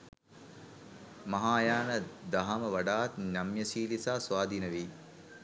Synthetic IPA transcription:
mɐɦaːjaːnəd̪aɦaməʋaɖaːt̪nʲamjəsiːlisaːsʋaːd̪inəʋiː

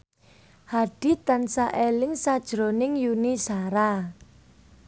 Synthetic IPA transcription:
haɖ̥i̤t̪ansaʔelɪŋsad̥ʒ̥ɾonɪŋjunisaɾa

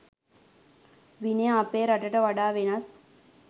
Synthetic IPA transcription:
ʋinejaːpeːɾaʈəʈəʋaɖaːʋenɐs

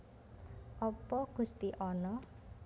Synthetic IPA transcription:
ʔɔpɔɡ̥ṳst̪iʔɔnɔ

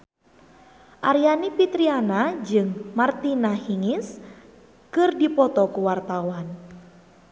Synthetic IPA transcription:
ʔaɾijanipit̪ɾianad͡ʒɨŋmart̪inahiŋis | kɨrdipɔt̪ɔkuwart̪awan

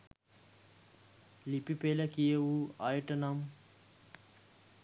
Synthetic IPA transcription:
lipipeːlɐkijɐwuajʈɐnɐm

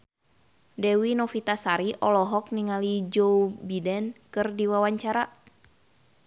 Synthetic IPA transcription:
dɛwinɔfit̪asaɾiʔɔlɔɦɔk̚niŋalid͡ʒoubidɛnkɨrdiwawaɲt͡ʃaɾa

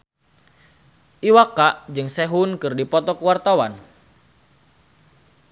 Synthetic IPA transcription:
ʔiwakaʔd͡ʒɨŋsɛɦunkɨrdipɔt̪ɔkuwart̪awan

